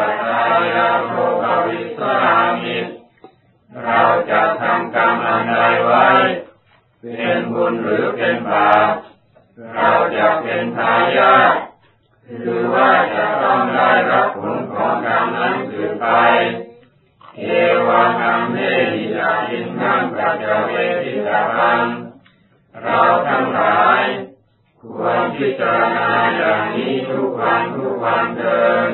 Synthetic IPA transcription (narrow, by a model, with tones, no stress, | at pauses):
a˧i˧laː˧pɔ˧˥˩pa˧wi˦˥t̪̚sa˧˥ʔa˧˩˧mi˦˧˩t̪̚ | ɾa˧˩wt͡ɕa˨˩ʔt̪ʰa˧mkaː˧ŋʔa˧nda˧jwa˦˥˩j | pe˧nbo˧nɾɯː˨˩˦pe˧nbaː˨˩t̪̚ | ɾa˧˩wt͡ɕa˨˩ʔpe˧npʰaː˧jaː˥˩t̚ | ɾɯː˨˦waː˥˩t͡ɕa˨˩ʔt̪ɔ˥˩ŋdaː˥˩jɾa˦˥p̚ʰːo˨˦nkʰɔː˨˦ŋkʰaː˧ŋʔa˧˥˩nkɯː˨˩npa˧j | keː˨˩˥waː˧t̪ʰa˧mmaː˥˩jmiː˧˩ʔaː˨˩k̚si˧nkʰa˥˩ŋka˧˥wt͡ɕa˨˧˩pe˧npʰi˥˩tt͡ɕːa˧ka˧n | ɾa˧wt̪ʰa˥˩ŋlaː˩˦j | kʰu˨˩˥ənpʰi˦˥t̪̚t͡ɕa˧ɾa˧naː˧jaː˨˩ŋniː˦˥t̪ʰu˦˥k̚wa˧nt̪ʰu˦˥˩k̚wa˧nt̪ɤː˧m